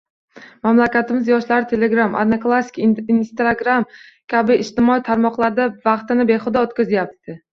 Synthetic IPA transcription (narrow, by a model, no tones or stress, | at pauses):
mamlakʲat̪ʰɪmɪzjɒʃlaɾɪt̪ʰe̞le̞ɡɾama̰d̪naklˠasːi̥kinst̪ɾaɡɾamkʲabɪɪʃt̪ɪmɒit̪ʰaɾmɒqlˠaɾd̪avɑqt̪ɪnɪbe̞χʊd̪aot̪kʲazɪjap̚t̪ʰɪ